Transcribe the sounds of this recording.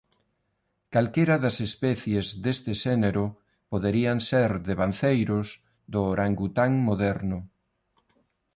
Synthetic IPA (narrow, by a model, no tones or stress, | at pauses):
kalkeɾɐðɐsespɛθjezðest̪ɪʃɛneɾʊ | poðeɾianseɾðeβanθejɾʊz | d̪oɾʔaŋɡut̪aŋmoðɛɾnʊ